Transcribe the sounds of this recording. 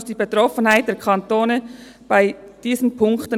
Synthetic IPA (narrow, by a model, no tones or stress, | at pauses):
sd̥iːbetʁɔfən̩haɪt̚d̥eːɐkʰɑntoːnəb̥aɪd̥iːzənpʰʊŋktən